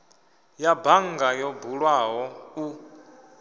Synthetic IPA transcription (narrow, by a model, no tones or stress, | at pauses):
jabaŋɡajɔbuɺwaɦɔu